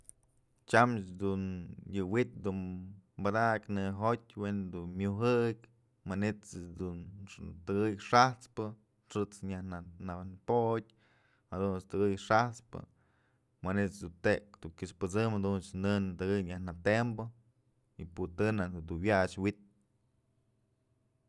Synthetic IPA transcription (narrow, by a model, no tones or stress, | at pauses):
t͡ʃamt͡ʃd̪unjɨwit̪̚d̪unbad̪aʔknɨɦot̪̚ʲwend̪unmjuɦɨkʲ | manit̪d̪unt̪ɨɡɨjʂaht͡spɨ | ʂɨt͡sɲahnananpod̚ʲ | had̪unst̪ɨɡɨjʂaht͡spɨ̰ | manit̪sd̪unt̪ekd̪uŋkiʂpɨt͡sɨmhad̪unt͡ʃnɨnt̪ɨɡɨjɲahnat̪embɨ | iput̪ɨnad̪uwat͡ʃwit̪̚